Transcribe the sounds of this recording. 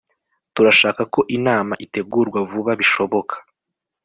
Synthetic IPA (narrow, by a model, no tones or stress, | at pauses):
tuɾaʃaːkako̞ʔinaːmaʔite̞ɡuːɾɡwavuβaβiʃo̞βo̞kʰḁ